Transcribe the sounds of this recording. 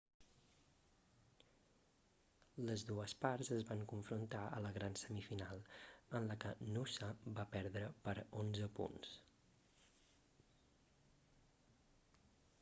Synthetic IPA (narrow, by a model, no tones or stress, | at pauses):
ləzðuəspaɾzəzβaŋkuɱfɾunt̪aə̰ləɣɾansəmifinalˠənləkənusabapɛɾðɾəpəɾonzəpṵns